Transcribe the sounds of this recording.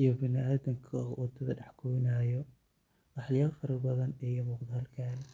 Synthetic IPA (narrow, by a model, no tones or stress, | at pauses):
ijɔbɪnɪaːðɐŋkʰɐwʔɑd̪ʰɐðɐ̰ɖɑħɡʰɔnaːjɔ | ʔɑħlɪjɐːfɐɾɐrbɐðɐnɛjɔmuːqd̪ɐhɐlkʰaːn